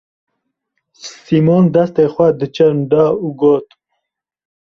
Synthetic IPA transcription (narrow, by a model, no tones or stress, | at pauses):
simoːnd̪ɐst̪eːxʷɐd̪ɨt͡ʃɐnd̪ɑːuːɡoːt̪